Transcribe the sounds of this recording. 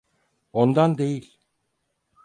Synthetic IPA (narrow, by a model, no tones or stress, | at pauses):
ond̪and̪e̞jilʲ